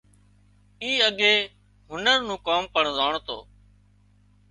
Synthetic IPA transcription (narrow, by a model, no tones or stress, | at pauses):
iːəɠeː | ɦʊnəɾnũːkaːmpəɳzaːɳt̪o̰ː